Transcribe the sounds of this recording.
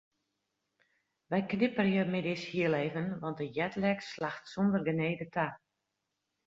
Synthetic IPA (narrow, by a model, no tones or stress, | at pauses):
ʋɛjknɪpərjəmɪdɪshiəleːvənʋɑntdəjɛtlɛkslaxtsondərɡəneːdətʰa